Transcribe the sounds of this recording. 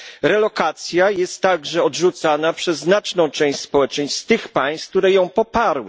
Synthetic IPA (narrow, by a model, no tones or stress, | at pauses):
ɾɛlɔkat̪sʲjajɛst̪ːaɡʐɛɔd̪ʐut̪sanapʂɛzːnat͡ʂnɔ̃w̃t͡ʂɛ̃ɕspɔwɛt͡ʂɛɲsst̪ɘxpaj̃st̪k̚t̪uɾɛjɔ̃w̃pɔpaɾwɘ̰